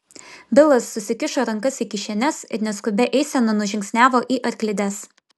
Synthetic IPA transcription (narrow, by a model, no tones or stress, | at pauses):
bʲɪlˠɐsːʊsʲɪkʲɪʃoːɾɐŋkɐsiːkʲɪʃʲɛnʲɛsɪ̰ɾnʲɛskʊbʲɛʔɛɪsʲɛnɐnʊʒʲɪŋksʲnʲæːʋoːʔiːʔɐɾʲklʲɪd̪ʲɛs